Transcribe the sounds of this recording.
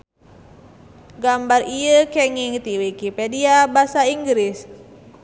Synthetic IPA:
ɡambarijəkɛŋiŋt̪iwikipediabasaiŋɡɾɪs

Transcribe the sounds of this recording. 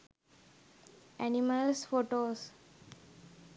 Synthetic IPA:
ɛniməlsfoʈos

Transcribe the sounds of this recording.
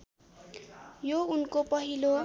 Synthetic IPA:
jounkopʌɦilo

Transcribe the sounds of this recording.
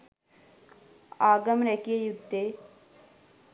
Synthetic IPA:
aːɡəmɾɛkiejud̪ʱːe

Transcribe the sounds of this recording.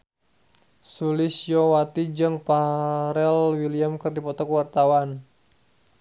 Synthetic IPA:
sulɪsjɔwat̪id͡ʒɨŋpaɾɛlwiliamkɨrdipɔt̪ɔkəwart̪awan

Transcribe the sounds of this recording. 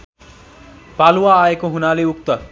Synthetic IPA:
palwaːekoɦunaleuk̚t̪ʌ

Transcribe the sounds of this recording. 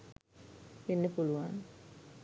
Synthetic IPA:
pinːepuluʋaːn

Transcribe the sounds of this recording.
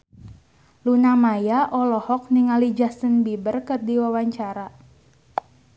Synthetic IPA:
lunamajaʔɔlɔhɔk̚niŋalid͡ʒast̪ənbibərkərdiwawaɲt͡ʃaɾa

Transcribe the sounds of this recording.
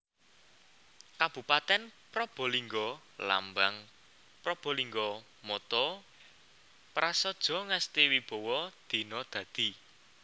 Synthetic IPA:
kab̥ṳpat̪ɛnpɾɔb̥ɔ̤liŋɡɔ | la̰mbaŋ | pɾɔb̥ɔ̤liŋɡɔ | mɔt̪ɔ | pɾasɔd̥ʒ̥ɔ̤ŋast̪iwib̥ɔ̤wɔd̪̥i̤nɔd̪̥ä̤d̪̥i̤

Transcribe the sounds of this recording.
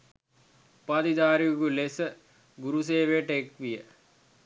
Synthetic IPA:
pad̪id̪aːɾiuɡulesə | ɡuɾus̬eːʋejəʈəekʋijə

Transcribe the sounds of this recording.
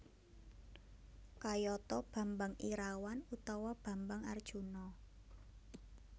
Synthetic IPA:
kajɔt̪ɔb̥a̤mbaŋiɾawanut̪awab̥a̤mbaŋard̥ʒ̥ṳnɔ

